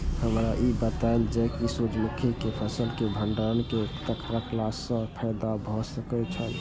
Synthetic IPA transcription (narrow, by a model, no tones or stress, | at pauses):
həmɾaʔibət̪aeld͡ʒɛkisud͡ʒmukʰikepʰəsəlkebʱəɳɖənkekt̪əkɾəkʰlasə̃pʰəɪd̪abʱɔsəkɛt͡ʃʰən